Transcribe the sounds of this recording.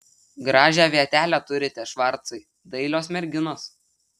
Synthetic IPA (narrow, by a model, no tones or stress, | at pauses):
ɡɾɑːʒʲæːʋʲiɛt̪ʲæːlʲæːt̪ʊɾʲɪt̪ʲɛʃʋɐɾt̪sɐɪ | d̪ɐɪlʲoːsmʲɛɾʲɡʲɪnoːs